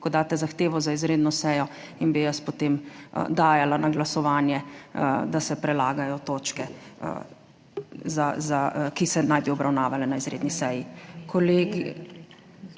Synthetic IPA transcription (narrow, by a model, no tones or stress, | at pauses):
kɔd̪aːt̪ɛzaxt̪eːʋɔzaizɾeːd̪nɔsɛjɔ | inbijɐspot̪em̰d̪aːjalanaɡlasɔʋaːnjɛd̪asɛpɾɛlaːɡajɔt̪ot͡ʃkɛ | zazakisɛnajbiɔbɾawnaːʋalɛnaizɾḛːd̪nisɛjikʰɔleɡ